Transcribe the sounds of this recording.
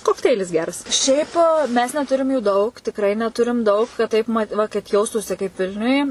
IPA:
koːkˈtʲɛɪlʲɪs ˈɡʲæːrɐs ˈʃʲɛɪp mʲɛs nʲɛˈtʊrʲɪm juː ˈdɐʊk tʲɪkˈrɐɪ nʲɛˈtʊrʲɪm ˈdɐʊk kɐt ˈtɐɪp mɐt ˈʋɐ kɐt ˈjɛʊstuːsʲɪ kɐɪp ˈʋʲɪlʲnʲʊj

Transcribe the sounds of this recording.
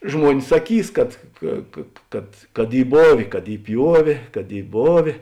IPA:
ˈʒmuɔnʲɪs sɐˈkʲiːs kɐt ˈkɐ kɐ ˈkɐt kɐt ˈiː ˈboːʋʲeː kɐt ˈiː ˈpʲjuɔʋʲeː kɐt ˈiː ˈboːʋʲeː

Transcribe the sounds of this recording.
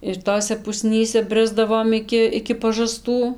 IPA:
ɪr ˈtoːsʲɛ pʊˈsʲnʲiːsʲɛ ˈbʲrʲɪzdɐʋoːm ˈɪkʲɪ ɪkʲɪ pɐʒɐˈstuː

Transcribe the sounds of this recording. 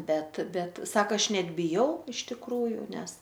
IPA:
ˈbʲɛt ˈbʲɛt ˈsɑːkɐ ˈɐʃ ˈnʲɛt bʲɪˈjɛʊ ɪʃ tʲɪkˈruːjʊ ˈnʲɛs

